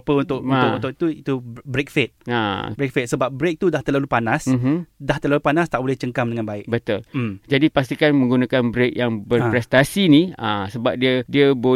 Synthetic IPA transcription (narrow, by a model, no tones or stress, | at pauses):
pəunt̪ʊkunʊkunt̪ʊit̪uit̪ubɾek̚fet̪̚a̰bɾek̚fet̪̚səbap̚bɾek̚t̪udaht̪əlalupanasdaht̪ərlalupanast̪aʔbolɪht͡ʃəŋkamdəŋãnbaɪk̚bət̪ʊlmmd͡ʒadipast̪ikanmə̃ŋɡunãkanbɾek̚jaŋbərppɾɛst̪asinia̰səba̰p̚diədiəbo